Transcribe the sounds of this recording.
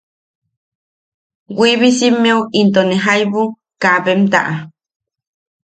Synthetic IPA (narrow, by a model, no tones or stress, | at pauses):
wiβisimeuint̪oneɦajβu | kaβemt̪a̰ʔa